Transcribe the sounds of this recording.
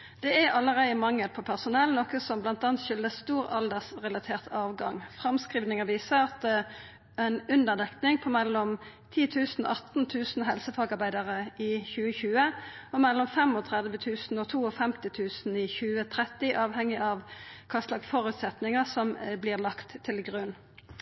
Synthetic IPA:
d̪̥ɛæɾɑlːəʁeɪəmɑŋːəlpʰɔpʰæʁsʊnɛlnɔkəsɔmblɑnt̪ɑːnt̪ʃʏld̪əst̪uːʁɑld̪əʁsʁɛlɑt̪ʰeːʁt̪ɑːʋɡɑŋfʁɑmskʁiːʋnɪŋəʋiːsəɑt̪̚d̪ɛ | ɛnʉnd̪əʁd̪ɛkt̪nɪŋpʰɔmɛlːɔm | t̪ʰiːt̪ʰʉːsnɔ̰ʔɑt̪n̩t̪ʰʉːsn̩ɦɛlsəfɑːɡɑʁbæɪd̪ɑʁəɪçʉːəçʉːəɔmɛlːɔmfɛmɔt̪ʰʁɛd̪ʋət̪ʰʉːsn̩ɔːt̪ʰuːɔfɛmt̪ɪt̪ʰʉːsn̩ɪçʉːət̪ʰʁɛt̪ɪʔɑːʋhɛŋːɪɑʋkʰɑst̪lɑɡfɔʁʉːt̪sɛt̪nɪŋəsɔmbliːʁlɑkt̪ʰːɪlɡʁʉn

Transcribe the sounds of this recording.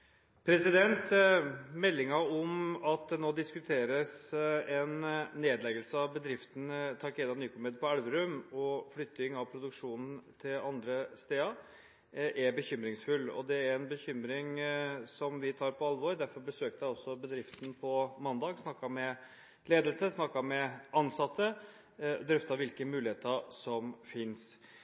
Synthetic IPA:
pʰɾɛsɪd̪ɛnt̪mɛlːɪŋɑɔmɑt̪̚d̪ɛnoːd̪ɪskʉt̪ʰeːɾəsɛnːeːd̪lɛɡəlsəɑʋbəd̪ɾɪft̪n̩t̪ʰɑɾkʰeːd̪ɑnyːkʊmɛd̪̚pʰɔælʋəɾʉmɔflʏt̪ːɪŋɑʋpʰɾʊd̪ʉkʂuːnn̩t̪ʰɪlɑnd̪ɾəst̪eːɑ | ʔæɾbəçʏmɾɪŋsfʉlːɔ̰d̪ɛæɾɛnbəçʏmɾɪŋsɔmʋɪt̪ʰɑːɾpʰɔɑlʋɔɾd̪æɾfɔɾbəsøːk̚t̪æɪɔsːɔbəd̪ɾɪft̪n̩pʰɔmɑnd̪ɑːɡsnɑkːɑmɛ | leːd̪əlsəsnɑkːɑmɛɑnsɑt̪ːə | d̪ɾœft̪ɑʋɪlkəmʉːlɪheːt̪əsɔmfɪns

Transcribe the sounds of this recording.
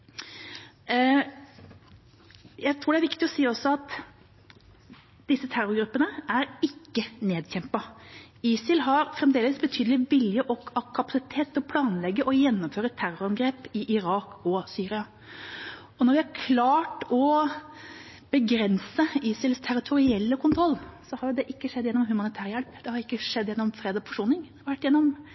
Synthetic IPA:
jæɪt̪ʰɾuːɖɛæɾʋɪkt̪ɪɔsiːɔsːɔɑt̪ | d̪̥ɪsːət̪ʰæɾʊɾɡɾʉpːənəæɾɪkːəneːd̪çɛmpɑ | iːsɪlɦɑɾfɾɛmd̪eːləsbət̪ʰyːd̪əlɪʋɪljəʔɔkɑkʰːɑpɑ̥sɪt̪ʰeːt̪ɔpʰlɑːnlɛɡːəʔɔjɛnːɔmføːɾət̪ʰæɾʊɾɑnɡɾeːpɪʔɪɾɑːkɔsyːɾɪɑ | ɔnɔɾʋɪæɾkʰlɑːʈɔ | b̥əɡɾɛnsəiːsɪlst̪ʰæɾɪt̪ʰʊɾɪɛlːəkʰʊnt̪ʰɾɔlːsɔhɑɾjʊd̪ɛʔɪkːəʂɛd̪ːjɛnːɔmhʉmɑnɪt̪ʰæːɾəjɛlpd̪̥ɛhɑɾɪkːəʂɛd̪ːjɛnːɔmfɾeːd̪ɔfɔ̥ʂuːnɪŋ | ʋæʈːjɛnːɔm

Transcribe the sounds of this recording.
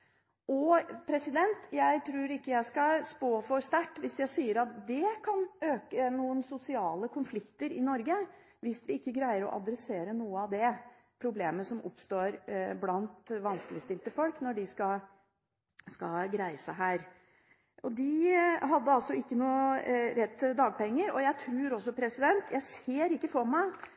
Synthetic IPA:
ɔpʰɾɛsɪd̪ɛnt̪jæɪt̪ʰɾuːɾɪkːəjæɪskɑspoːfɔɾst̪æʈːʋɪsjæɪsiːəɾɑt̪̚d̪ɛkʰɑnøːkənuːənsʊsɪɑːləkʰʊnflɪkt̪əɾɪnɔɾɡə | ʋɪsʋɪɪkːəɡɾæɪəɾɔ̰ʔɑ̰d̪ɾɛseːɾənuːəɑʋd̪ɛ | pʰɾʊbleːməsɔmʊ̰pst̪oːɾblɑnt̪ʋɑnskəlɪst̪ɪlt̪əfɔlknɔɖɪskɑ | skɑlɡɾæɪəsæɦæːɾ | ɔd̪ɪɦɑd̪ːəɑlsɔɪkːənuːəɾɛt̪ːd̪ɑːɡ̚pʰɛŋːəɾɔjæɪt̪ʰɾʉːɾɔs̬ːɔpʰɾɛsɪd̪ɛnt̪jæɪseːɾɪkːəfɔɾmæɪ

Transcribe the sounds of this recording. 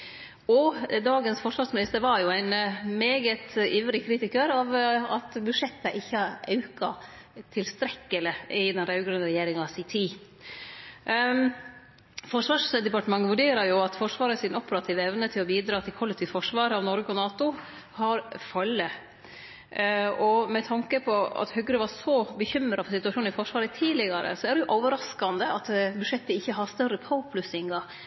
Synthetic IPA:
ɔd̪ɑːɡənsfɔʂʋɑːʂmɪnɪst̪əɾʋɑɾjʊæɪnmeːɡət̪iʋɾɪkʰɾiːt̪ɪkəɾɑʋɑt̪bʉʂɛt̪ːəʔɪçːəɑɾɑʉkɑ | t̪ʰɪlst̪ɾɛkːəlɪɪd̪ɛnɾɑʉɡɾʉnəɾɛjeːɾɪŋɑsɪt̪ʰiː | fɔʂʋɑːʂd̪ɛpɑʈəmɑŋːʋʉɖeːɾəɾjʊɑt̪fɔʂʋɑːɾəsɪnɔpəɾɑt̪ʰiːʋɛʋnət̪ʰɪlɔbiːd̪ɾɑːt̪ʰɪlkʰɔlːɛk̚t̪ʰɪːʋfɔʂʋɑːɾɑʋnɔɾɡəɔnɑːt̪ʊ | hɑɾfɑlːə | ɔmɛt̪ʰɑŋkəpʰɔɑ̰t̪hœɡɾəʋɑɾsɔbəçʏmɾɑfɔɾsɪt̪ʉɑʃuːn̩ɪfɔʂʋɑːɾət̪ʰiːdlɪɡɑɾʔə̰sɔæɖɛjʊʔɔʋəɾɑskɑnd̪əɑt̪bʉʂɛt̪ːəɪçːəɦɑst̪œrəpʰɑʊpʰlʉsɪŋɡ̪ɑ

